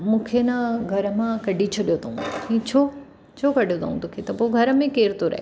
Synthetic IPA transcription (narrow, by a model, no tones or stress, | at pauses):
mũːkʰenaɡʱɐɾəmãkɐɖʱit͡ɕʰoɗijot̪ɐɦũɦĩt͡ɕʰo | t͡ɕʰokɐɖʱjot̪ʰa̰ːũt̪oːkʰet̪ɐpoɡʱɐɾəmẽkeːɾt̪oɾɐ̰ɦe